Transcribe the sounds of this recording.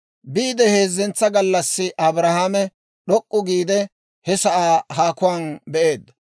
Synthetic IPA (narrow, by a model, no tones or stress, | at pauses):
biːd̪ɛhe̞ːzːɛnt͡sːɐɡɐlːɐsːɪʔɐbɾɐhaːmɛ | ɗɔkʼːʊɡiːd̪ɛ | hɛsɐʔaːhaːkʊwaːnbɛʔe̞ːd̪ːɐ̥